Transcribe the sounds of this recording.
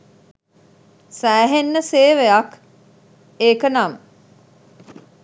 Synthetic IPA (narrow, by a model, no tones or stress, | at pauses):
sæːɦenːəseːʋejɐk | eːkənam